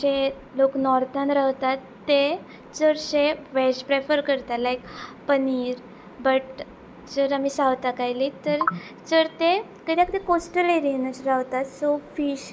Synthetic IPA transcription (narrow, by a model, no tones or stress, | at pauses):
e | loknɔɾt̪ãnɾawt̪at̪ːe | d͡zəɾɕeʋɛsʈpɾefəɾkəɾt̪alajkpəniːɾ | bəʈ | d͡zəɾamisaʋt̪akajlit̪əɾ | d͡zəɾt̪e | kəd̪jakəd̪ekosʈəleɾiənəsɾaʋt̪at̪sofiːɕ